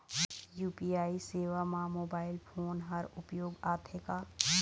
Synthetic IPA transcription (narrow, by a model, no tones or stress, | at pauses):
juːpiaːiseːʋamãmoːbaːɪlpʰoːnɦɐɾʊpjoːɡaːt̪ʰekaː